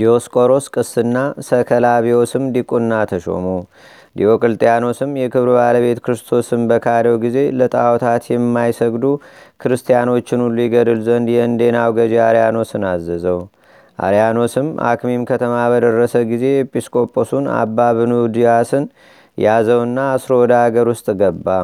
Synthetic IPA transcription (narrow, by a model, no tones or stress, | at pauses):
d̪io̞skʼo̞ɾo̞skʼɨsːɨnːasəkʰəlaβio̞sɨmd̪ikʼunːat̪ʰəʃo̞̰mu | d̪ijo̞kʼɨlt̪ʼijano̞sɨmjɛkʰɨβɾɨbaləβe̞t̪kʰɨɾɨst̪ʰo̞sɨmbəkʰaɾəwɡize̞lət̪ʼawt̪ʰat̪jɛmːajsəɡd̪ukʰɨɾɨst̪ʰijano̞t͡ʃːɪnulːujiɡəd̪ɨlzənd̪jɛɨnd̪e̞nawɡəd͡ʒeaɾijano̞sɨnazːəzəw | ʔa̰ɾjano̞sɨmʔa̰kmimkʰət̪ʰəmabəd̪ərːəsəɡize̞ɛpʼiskʼo̞pʼːosuna̰bːaβɨnud̪ijasɨn | jazəwɨnːaːsɾo̞wɔd̪aaɡəɾwʊst̪ʼɡəbːa